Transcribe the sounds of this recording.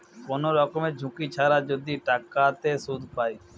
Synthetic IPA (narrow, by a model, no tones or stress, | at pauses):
konoɾɔkomed͡ʑʱũkit͡ɕʰaɾad͡ʑod̪iʈakat̪esud̪ʱpaj